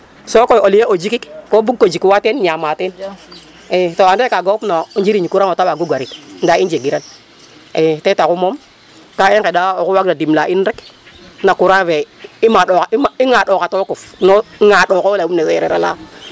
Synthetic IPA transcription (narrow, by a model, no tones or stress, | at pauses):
sokojolijeod͡ʒikikkobukːod͡ʒikwatenɲamaten | etoandekaɡopnand͡ʒiɾiɲikuɾaotawaɡuɡʷaɾitndaind͡ʒeɡiɾan | etetakumom | kaikedaokuwak̚dadimlaʔinɾeknakuɾaveimaɗokaiŋaɗokatokufnoŋaɗokolaumneseɾeɾala̰